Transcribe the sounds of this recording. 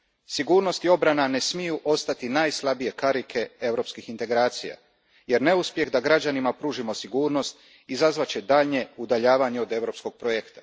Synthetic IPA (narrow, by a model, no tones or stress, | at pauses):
siɡuːɾno̞st̪io̞bɾanane̞smijuʔo̞st̪at̪inajslˠabije̞kaɾikʰe̞e̞wɾo̞pskixint̪e̞ɡɾaːt̪sija̰ | je̞ɾne̞uspje̞ɣd̪aɡɾad͡ʑanimapɾuːʒimo̞siɡuːɾno̞st̪ | izazʋat͡ɕed̪aːʎɲe̞ud̪aʎaːʋaɲeo̞d̪e̞ʋɾo̞psko̞ɡ̚pɾojekt̪ḁ